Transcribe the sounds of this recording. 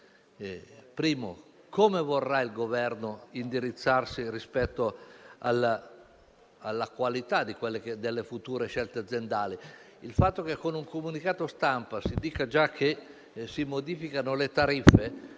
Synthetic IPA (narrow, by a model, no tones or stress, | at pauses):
pɾiːmo̰ | komevorːailɡovɛrnoind̪iɾit̪sːarsirispɛt̪ːoa̰lːa | alːakwalit̪ad̪ikwelːeked̪elːefut̪uːɾeʃɛlt̪ead̪zjend̪aːli | ilfat̪ːokekːonuŋkomunikaːt̪ost̪ampasid̪iːkad͡ʒakʰːe | simod̪iːfikanolet̪aɾifːe